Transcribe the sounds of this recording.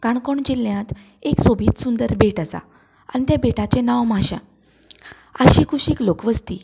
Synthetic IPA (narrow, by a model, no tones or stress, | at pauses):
kaɳkoɳd͡ʑiljãt̪ | eksobʱiːt̪sund̪əɾbeʈəsa̰ | a̰ñit̪jabeʈat͡ɕenaʋmaɕã̰ | əɕiːkʰuɕiklokʋəst̪iː